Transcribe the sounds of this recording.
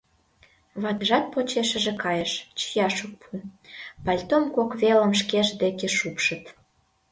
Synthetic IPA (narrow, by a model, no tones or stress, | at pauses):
βɑt̪əʒɑt̪̚pot͡ɕeʃə̆ʒĕkɑjəʃt͡ɕə̥jɑʃuk̚pʰupɑlʲt̪omkokβelə̆mʃ̬keʒd̪ekeʃupʃə̆t̪